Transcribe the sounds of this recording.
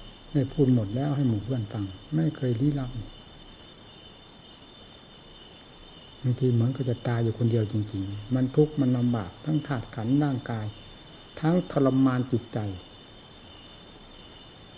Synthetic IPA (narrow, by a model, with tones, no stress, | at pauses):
daː˧˩jpʰuː˧˥˩t̪̚mo˨˩t̪̚lɛː˦˥˩wɦa˧˩jmuː˨˩bʰɯ˧˥˩ənfa˧˩ŋma˥˩jkʰɤː˧jliː˧˥˨la˧˥p̚ni˧˩ | ma˧ŋt̪ʰiː˧mɯ˨˩˦nka˧˩t͡ɕa˨˩t̪aː˧jːuː˨˩kʰo˧ndi˧əwt͡ɕi˧ŋt͡ɕi˧ŋma˧˥˨nt̪ʰu˦˥k̚ma˧˨nːa˧mbaː˨˩p̚t̪ʰaː˦˥ŋt̪ʰaː˧˩t̪̚kʰa˩˦˥nɾaː˥˩ŋkaː˧j | t̪ʰa˦˥ŋt̪ʰa˧la˧mːaː˧nt͡ɕi˨˩t̪̚t͡ɕa˧˩j